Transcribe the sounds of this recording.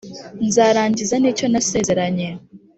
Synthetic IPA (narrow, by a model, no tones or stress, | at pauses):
nzaːɾaːɲɟizaniːco̞nase̞ːze̞ɾaɲe